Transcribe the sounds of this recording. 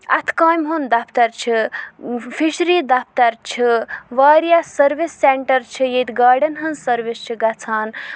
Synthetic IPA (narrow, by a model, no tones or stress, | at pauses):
ɐ̰t̪ʰkaːjmɦond̪apʰt̪ɐɾt͡ʃʰi | fʰiʃɾid̪ap̚ʰt̪ɐɾt͡ʃʰiʋaːɾjasɐɾbisːeɳʈɐɾt͡ʃʰijet̪ɡaːɾɖɐnɦɐnsɐɾʋist͡ʃʰiɡat͡sʰaːn